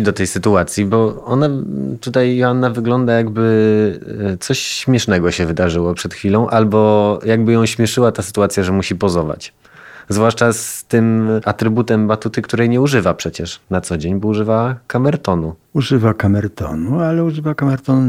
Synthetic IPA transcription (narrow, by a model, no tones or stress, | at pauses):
d̪ɔt̪ɛjsɘt̪uat̪sʲjibɔɔnat̪ut̪ajanːavɘɡlɔnd̪ajaɡbɘ | t̪sɔɕɕmʲjɛʂnɛɡɔɕɛvɘd̪aʐɘwɔpʂɛt̪xfʲilɔ̃w̃ʔalbɔjaɡ̚bɘjɔ̃w̃ɕmʲjɛʂɘwat̪asɘ̥t̪uat̪sʲjaʐɛmuɕipɔzɔva̰t͡ɕ | zvwaʂt͡ʂast̪ɘmat̪ɾɘbut̪ɛmbat̪ut̪ɘkt̪uɾɛjɲɛuʐɘvapʂɛt͡ɕɛʂnat̪sɔd͡ʑeɲbɔuʐɘvakamɛɾt̪ɔnuuʐɘvakamɛɾt̪ɔ̰nualɛuʐɘvakamɛɾt̪ɔnu